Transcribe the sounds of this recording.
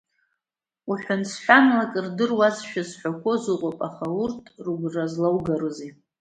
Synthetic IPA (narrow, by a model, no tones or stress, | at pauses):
uħʷᶣʊnsħʷᶣanlakʼɨrdɨrwat͡sʰʃᶣazħʷᶣakʷʰozɨqʷʼopʼaχaurtʰʼrɡʷrazlawɡarɨzi